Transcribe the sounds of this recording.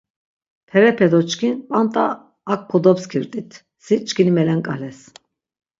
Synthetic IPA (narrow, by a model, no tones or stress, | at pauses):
pʰɛɾɛpʰɛd̪ɔt͡ʃkʰinpʼant̪ʼaː | k̚pʰɔd̪ɔpskʰiɾt̪ʼit̪ʰ | sit͡ʃʼkʰʼinimɛlɛŋkʼalɛs